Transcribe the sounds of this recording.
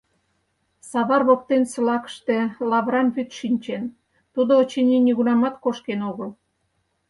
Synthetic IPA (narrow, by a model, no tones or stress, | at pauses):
sɑβɑrβok̚t̪ensə̆lɑkə̥ʃt̪elɑβɾɑnβyt̪ʃinʲt͡ɕen | t̪ud̪oːt͡ɕenʲinʲiɣunɑmɑt̪koʃkenoɣəl